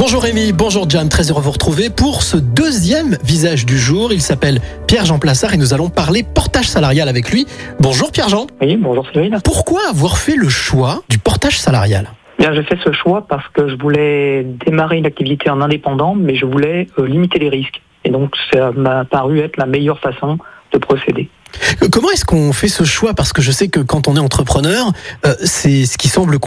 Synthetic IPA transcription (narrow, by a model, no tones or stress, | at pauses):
bɔ̃ʒuʁemibɔ̃ʒuʁd͡ʒamt̪χɛzøʁøvuʁət̪χuvepuʁsəd̪øzjɛmvizaʒd̪yʒuːʁilsapɛl | pjɛʁʒɑ̃plasaʁenuzalɔ̃paʁlepɔʁt̪aʒ̥salaʁjalavɛklɥibɔ̃ʒuʁpjɛʁʒɑ̃wibɔ̃ʒuʁsiʁinpuʁkwaːvwaʁfɛləʃwad̪ypɔʁt̪aʒ̥sala̰ʁja̰l | ebjɛ̃ʒefɛsəʃwapaʁsə̥kəʒəvulɛd̪emaʁeynak̚t̪ivit̪ʰeɑ̃nɛ̃d̪epɑ̃d̪ɑ̃mɛʒəvulɛølimit̪eleʁisk | ed̪ɔ̃ksamapaʁyɛt̪χlamɛjœʁfasɔ̃d̪̥əpχɔsed̪ekɔmɑ̃ɛskɔ̃fɛsəʃwapaʁsə̥kəʒəsɛkəkɑ̃t̪ɔ̃nɛɑ̃t̪χəpχənœʁøsɛsə̥kʲisɑ̃blək